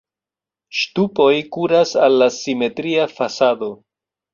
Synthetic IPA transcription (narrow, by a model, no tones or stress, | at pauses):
ʃtupo̞jkuɾasalːasime̞tɾiafasado̞